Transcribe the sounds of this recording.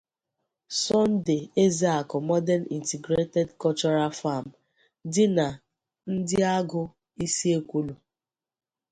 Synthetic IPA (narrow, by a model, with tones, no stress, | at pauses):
sɔ˦n˦de˨e˦za˦a˨kɔ˨mɔ˦dɛ˦nḭ˨nti˨ɡɾe˦tɛ˦dkɔ˦lt͡ʃɔ˦ɾa˦fa˦˨m̩˨ | dɪ˦na˨ | n̩˦dɪ˦a˦ɡʊ˦ | i˦si˦e˦kʷu˦lu˨